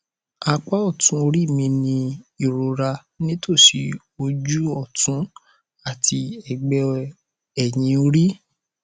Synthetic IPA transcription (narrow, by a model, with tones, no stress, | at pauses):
a˧k͡pa˦ɔ˦˨tũ˦o˧ɾi˦˨mĩ˧nĩ˧i˦˨ɾo˨˧ɾa˧ | nĩ˦tʰo˦˨ʃi˧ | o˧d͡ʒu˦ɔ˦˨tũ˨˦ | a˦˨tʰi˧ɛ˨ɡ͡bɛ˧ | ɛ˨j̃ĩ˧o˧ɾi˦